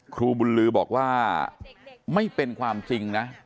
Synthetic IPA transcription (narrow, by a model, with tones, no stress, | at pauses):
kʰɾuː˧bu˧nlɯː˦bɔː˨˩k̚waː˥˩ | ma˥˩jpe˧nkʰwaː˧mt͡ɕi˧ŋna˦˥